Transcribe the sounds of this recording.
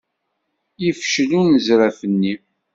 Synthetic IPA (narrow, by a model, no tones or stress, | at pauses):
jifʃlunəzɾæfənːi